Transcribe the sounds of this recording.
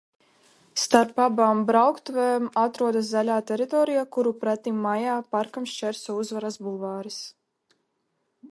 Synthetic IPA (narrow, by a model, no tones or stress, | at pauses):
st̪aɾpabaːmbɾawkt̪vɛmat̪ɾuɔd̪as̬zalʲaːt̪ɛɾit̪ɔːɾijakuɾupɾɛt̪imːajaːpaɾkamʃt͡ʃɛɾsɔuzvaɾasbulˠvaːɾis